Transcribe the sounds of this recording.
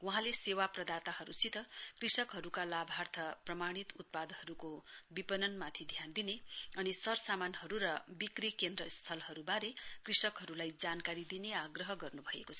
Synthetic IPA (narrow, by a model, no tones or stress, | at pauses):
wuɦãlesewaprʌd̪at̪ahʌɾusit̪ʌkrisʌkɦʌɾukalabʱart̪ʰʌprʌmaɽ̃it̪ut̪̚pad̪hʌɾukobipʌnʌnmat̪ʰid̪ʱjand̪ineʌnisʌrsamanhʌɾuɾʌbikrikend̪rʌst̪ʰʌlɦʌɾubaɾekrisʌkɦʌɾulajd͡zankaɾid̪ineaɡrʌɦʌɡʌrnubʱʌḛkot͡sʰʌ